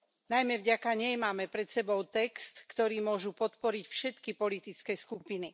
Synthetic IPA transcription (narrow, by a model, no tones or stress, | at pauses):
najmɛvɟakaɲɛjmaːmɛpɾɛt̪sɛbɔʊt̪ɛkst̪kt̪ɔɾiːmʊɔʒupɔt̪pɔɾicfʃɛt̪kipɔlit̪it͡skɛːskupini